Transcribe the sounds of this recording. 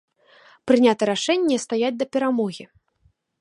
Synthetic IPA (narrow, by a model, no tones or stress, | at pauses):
pɾɨnʲat̪ɐɾaʂɛnʲːɛst̪ajad͡zʲd̪ɐpʲɛɾamɔɣʲi